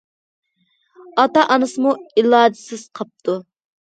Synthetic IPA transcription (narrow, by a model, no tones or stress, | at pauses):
ɑt̪ɑʔɑnɨsɨmuilˠɑːd͡ʒ̪ɪsɪz̥qʰɑp̚t̪ʰu